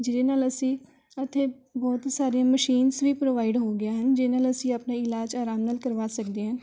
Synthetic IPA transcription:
d͡ʒɪɾeːnaːləsĩː | ət̪ʰːeːbɔːt̪saːɾijãːməʃiːnsʋiːpɾoːʋaːɪɖɦoːɡɪjãːɦənd͡ʒeːnaːləsĩːaːpnaːɪlaːd͡ʒaːɾaːmnaːlkəɾʋaːsəkd̪eːɦə̃ː

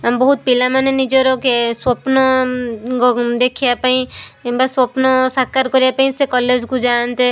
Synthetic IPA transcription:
ambɔɦut̪̚pilamanenid͡ʒɔɾɔkeswɔpnɔ | d̪ekʰijapaĩmbaswɔpnɔsakːaɾkɔɾijapaĩsekɔled͡ʒkũd͡ʒant̪e

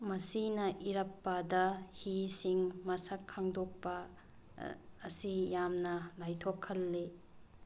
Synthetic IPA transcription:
mɐsinɐʔiɾɐpːɐdɐhisiŋmɐsɐkʰːaŋdok̚pɐ | sijamnɐlajtʰokʰːɐlːe

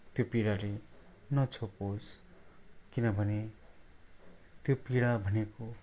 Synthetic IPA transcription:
t̪jopiɽale | nʌt͡sʰopos | kinʌbʱʌne | t̪jopiɽabʱʌneko

